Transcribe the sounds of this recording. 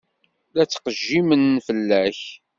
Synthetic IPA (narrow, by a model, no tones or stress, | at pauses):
læt͡sːqəʒːimənːfəlːæç